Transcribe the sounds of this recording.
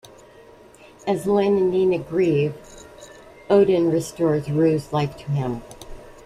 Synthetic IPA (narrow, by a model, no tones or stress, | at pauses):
ɨzlɪ̃nɨ̃nːinɨɡɹiv | oʊɾɨ̃nɹɨstɔɹzɹʉzlaɪftʰəɪ̃m